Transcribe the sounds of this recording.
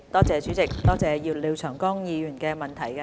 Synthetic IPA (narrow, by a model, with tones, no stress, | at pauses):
t̪ɔː˥t͡sɛː˨˧t͡ʃyː˨˥t͡sɪ˨˩k̚t̪ɔː˥t͡sɛː˨˧jiː˧wliː˨˧wt͡ʃʰœː˨˩ŋkɔː˥ŋjiː˨˧jy˨˩nkɛː˧mɐ˨˩nt̪ʰɐ˨˩jkɛ˧